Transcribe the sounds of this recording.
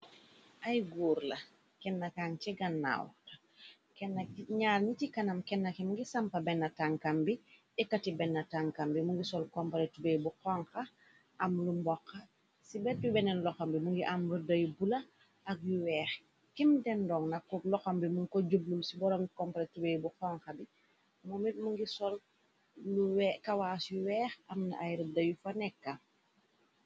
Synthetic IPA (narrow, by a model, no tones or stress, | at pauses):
ʔajɡuːɾlɐ | kɛnːakaŋciɡɐnːa̰w̰ta | kɛnːakɲaːɾnit͡ʃikɐnɐmkɛnːakimuŋɡisampɐbɛnːɐtaŋkambi | ɛkatibɛnːɐtaŋkambimuŋɡisɔlkompaletubeːbuqɔŋkɐ | ʔamlumbɔkːɐ | sibɛt̚dubɛnɛnlɔxombimuŋɡiʔamludɐjubulɐ | ɐk̚juwɛːx | kimdɛndɔːŋnɐkːɔlɔxombimuŋkoɟublulsibɔɾɔmkɔmpaɾetubejbuxɔŋxɐbi | momit̚muŋɡisɔl | luwɛkawaːsjuwɛːxɐmna̰ʔajɾidɐjufɐnɛkːa